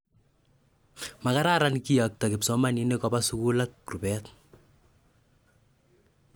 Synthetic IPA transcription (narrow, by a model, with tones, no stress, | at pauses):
ma˨ka˦ɾa˦ɾa˦nki˦jak̚ta˨kɪ˨psɔ˦ma˦ni˦ne˦kɔ˦ba˦su˦ku˦la˦k̚ru˨pɛt